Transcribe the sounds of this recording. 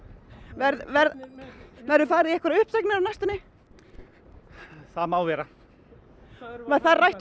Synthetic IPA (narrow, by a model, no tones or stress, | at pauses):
vɛɾðvɛɾ | vɛɾʏfaːɾɪðɛhkvɛɾaʏhpsaknɪɾawnajst̪ɪnɪ | θaðmaːwvɛɾa | vaθaðrajht̪